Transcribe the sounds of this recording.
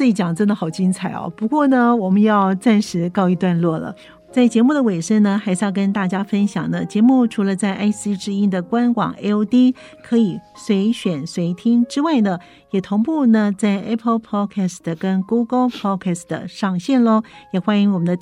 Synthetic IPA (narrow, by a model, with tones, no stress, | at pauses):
i˧˥t͡ɕjɑ˨˩ŋʈ͡ʂə˥˩nd̪ə˨˩xɑ˨˩ʊt͡ɕi˥ŋt͡sʰa˨˩ɪɔ̰˦˩pu˧˥kwɔ˥˩nə˩wɔ˨˩mə˦njɑ˥˧ʊt͡sa˥˩nʂɻ̩˧˥kɑ˥˧ʊi˧˥t̪wa˥˧nlwɔ˥˩lə̰˩ | t͡sa˥˩ɪt͡ɕjɛ˧˥mu˥˩d̪ə˩we˨˩ɪʂə˥ŋnə˨xa˧˥ɪʂɻ̩˥˧jɑ˥˧ʊk̬ə˥nt̪a˥˩t͡ɕja˥fə˥nɕjɑ̰˨˩ŋnə˦t͡ɕjɛ˧˥mu˥˩ʈ͡ʂʰu˧˥lə˧t͡sa˥˩ɪʔa˥ɪsi˥ʈ͡ʂɻ̩˥i˥nd̪ə˨kwa˥nkwɑ̰˨˩˦ŋʔḛ˥ɪo˥ʊt̪i˥kʰɤ˧˥i˨˩swe˧˥ɪɕɥɛ˨˩nswe˧˥ɪt̪ʰi˥ŋʈ͡ʂɻ̩˥wa˥˩ɪnə˩ | jɛ˨˩t̪ʰo˧˥ŋpu˥˩nə˨t͡sa˥˩ɪʔɛ˥pʰə˥lpʰɑ˥kʰɛ˥˩sə˩kə˥nku˥ɡə˧˥lpʰɑ˥kʰɛ˥˩sd̪ə̰˨˩ʂɑ˥˧ŋɕjɛ˥˩nlɔ˥˧jɛ˨˩xwa˥ni˧˥ŋwɔ˨˩mə˦nd̪ə˧